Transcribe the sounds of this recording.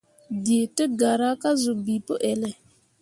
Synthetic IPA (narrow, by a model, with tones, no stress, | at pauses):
de˨tə˦ɡa˨ɾa˦ka˦zu˨bi˨pə˦ʔɛ˨lɛ˨